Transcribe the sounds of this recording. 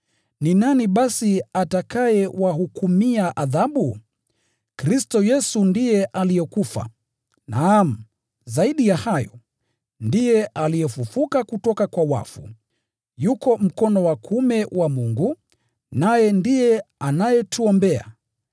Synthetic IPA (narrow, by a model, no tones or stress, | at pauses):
ninaniɓasiatakajɛwahukumiaʔaðaɓu | kɾistɔjɛsundijɛʔalijɛkufa̰ | nam̩ | zaiɗijahajɔ | ndijɛʔalijɛfufukakutɔkakwawa̰fṵ | jukɔm̩kɔnɔwakʰumɛwʔamuŋɡu | najɛndijɛanajɛtuɔmbɛa̰